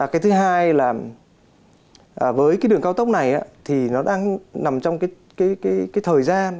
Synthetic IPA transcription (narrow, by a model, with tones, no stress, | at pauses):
kaː˨˦jt̪ʰɨ˨˦ɦaː˧jlaː˨˩ | ʔəː˨˩vəː˨˦jkaː˨˦jɗɨ˨˩əŋkaː˧wt̪ə˦˥wk͡p̚na˨˩jʔa̰ː˨˦t̪ʰi˨˩nɔ˨˦ɗaː˧ŋna˨˩mt͡ɕɔ˧wŋ͡mkaː˨˦j | kaː˨˦jkaː˨˦jkaː˨˦jt̪ʰəː˨˩jzaː˧n